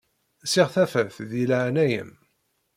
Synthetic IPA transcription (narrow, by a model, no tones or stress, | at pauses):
sɪʁθæfæθðiləʕnæjə̰m